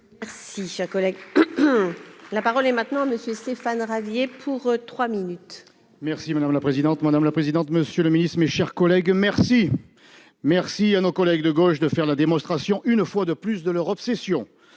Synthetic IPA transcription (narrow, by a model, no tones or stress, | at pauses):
mɛʁsiʃɛʁkɔlɛɡ | lapaʁɔlɛmɛ̃t̪nɑ̃aməsjøst̪efanʁavjepʰuʁt̪χwaminyt̪ | mɛʁsimad̪amlapχezid̪ɑ̃t̪mad̪amlapχezid̪ɑ̃t̪məsjøləminist̪χmeʃɛʁkɔlɛɡmɛʁsi | mɛʁsianokɔlɛɡd̪əɡoʃd̪əfɛʁlad̪emɔ̃st̪χasjɔ̃ʔynfwad̪əplysd̪əlœʁɔpsesjɔ̃